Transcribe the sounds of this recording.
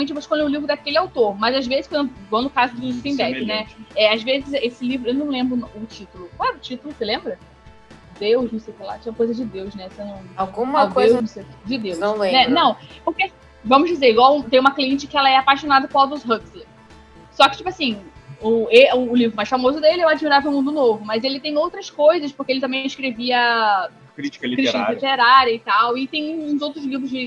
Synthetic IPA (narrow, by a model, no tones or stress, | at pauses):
ɐ̃mẽt͡ʃɪvoʃkõlẽʊlivɾʊd̪akelɪawt̪oɾmɐzazvezɪʃkɐ̃d̪ʊɡõd̪ʊkazʊd̪ʊt̪ĩbɛnɛɛazvezɪzesɪlivɾʊewnɐ̃w̃lẽmbɾʊʊt͡ʃit̪ʊlʊklaɾɐʊt͡ʃit̪ʊlʊselẽmbɾɐ | d̪ewznʊsejwkɪla̰t͡ʃẽũmɐkojzɐd͡ʒɪd̪ewznɛsenɐ̃w̃awɡũmɐkojzsed͡ʒɪd̪ewnɐ̃w̃lẽnɛnɐ̃w̃pʊɾkea | vɐ̃mʊʒd͡ʒizeɾɪɡwawũt̪ẽj̃ũmɐkliẽt͡ʃɪ̥kɪɛlɐɛapaʃonad̪ɐpõɾawd̪usɦɐksleɾ | sɔkɪ̥t͡ʃipʊasĩʊeʊːlivɾʊmajsfamozʊd̪elɪɛw̃ad͡ʒimiɾavew̃mũnd̪ʊnovʊmɐzelɪt̪ẽj̃owt̪ɾɐskojzɐspʊhkeelɪt̪ɐ̃mẽj̃ĩʃkɾeviɐ | kɾit͡ʃi̥kɐikɾiʃt͡ʃĩnɐlit̪eɾaɾjɐit̪awɪt̪ẽj̃ũzowt̪ɾʊzlivɾʊzd͡ʒɪ